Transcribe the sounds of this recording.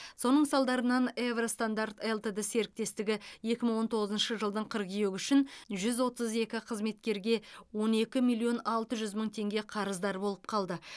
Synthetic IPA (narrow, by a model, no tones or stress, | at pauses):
so̞nəɴsɑlˠd̪ɑɾənɑnevrost̪and̪art̪elˠt̪ed̪əse̞ɾɪk̚t̪e̞st̪ɪɡʲɪje̞kʲɪməɴwo̞nt̪ʰo̞ʁəzənʃəʒəlˠd̪əɴqʰəɾqijeɡʏʃɪnʒʏzwo̞t̪əze̞kʲɪqʰəzme̞t̪kʲe̞ɾɡʲe̞wo̞ne̞kʲɪmilʲˠio̞nɑlˠt̪əʒʏzməɴt̪ʰe̞ŋɡʲe̞qʰɑɾəzd̪ɑɾbo̞lˠəp̚qʰɑlˠd̪ə